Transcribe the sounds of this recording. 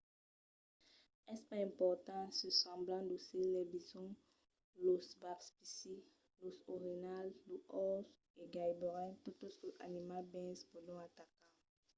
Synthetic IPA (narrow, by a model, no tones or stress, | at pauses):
ɛspaɛ̃pɔʁt̪ɑ̃səsɑ̃blɑ̃d̪uselɛbizɔ̃ | losbapspisi | losoʁenalːuʔɔs | eɡajbɔʁɛ̃t̪ut̪oskəʔa̰nimabɛ̃spulɔ̃at̪akã